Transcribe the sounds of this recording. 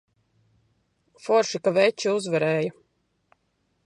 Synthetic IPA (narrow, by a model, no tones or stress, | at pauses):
fɔɾʃikavɛt͡ʃiuzvaɾɛːja